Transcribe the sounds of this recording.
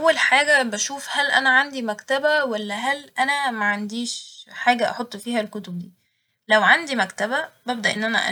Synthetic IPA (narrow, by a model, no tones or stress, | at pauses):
ʔæwːælħaːɡæbæʃuːfhælʔænæʕand̪imækt̪æbæwælːæɦælʔænæmæʕand̪iːʃħaːɡæʔɑ̰ħot̪ˤːfiːhælkot̪ob̚d̪iː | læwʕand̪imækt̪æbæbæbd̪æʔenːʔænæ̰ʔæ̰